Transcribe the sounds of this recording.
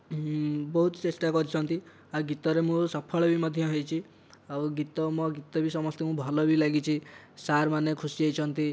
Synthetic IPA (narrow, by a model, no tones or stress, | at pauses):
bɔɦut̪t͡ʃesʈakɔɾit͡ʃʰɔnt̪i | aɡit̪ɔɾemũsɔpʰɔɭɔbimɔd̪ʱjɔɦejt͡ʃʰi | awɡit̪ɔmɔɡit̪ɔbisɔmɔst̪emũbʱɔlɔbilaɡit͡ʃʰisaɾmanekʰusiejt͡ʃʰɔnt̪i